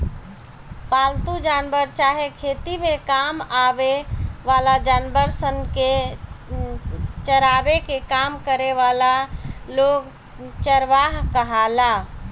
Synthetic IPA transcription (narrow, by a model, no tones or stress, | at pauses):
palt̪ud͡ʒanbəɾt͡ʃaɦekʰeːt̪imekamabeʋalad͡ʒaːnbəɾsənke | t͡ʃəɾabekekamkəɾeʋalaloɡ | t͡ʃəɾʋaɦkəɦala